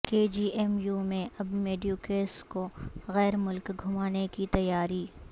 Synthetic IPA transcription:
keːd͡ʒiːʔɛmjuːmẽʔɐbmeːɖijuːkeːskoɣɛːɾmʊlkɡʱʊmaːnekit̪ɐjaːɾiː

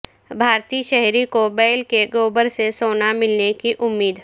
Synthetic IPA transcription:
bʱaːɾt̪iːʃɛɦɾikobɛːlkeɡoːbəɾsesoːnamɪlnekiʔʊmːiːd̪

